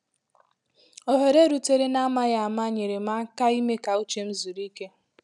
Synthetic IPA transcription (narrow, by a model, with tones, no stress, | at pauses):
o˨ɦe˨ɾe˦ɾu˨te˦ɾe˦na˦ma˦ɣa˨a˨ma˦ɲe˨ɾe˨ma˦ka˦i˦me˦ka˨u˦t͡ʃe˦m̩˦zu˨ɾi˦ke˦